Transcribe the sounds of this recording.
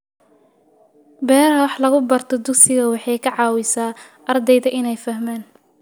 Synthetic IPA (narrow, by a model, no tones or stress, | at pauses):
bɛːɾɐwɑħlɐɣʊbɐrt̪ʰɔd̪ʊksɪɣɐwɑħɑjkʰɐʕɑːwɪsaː | ʔɐrd̪ɛjðɐʔɪnɛjfɐɦmaːn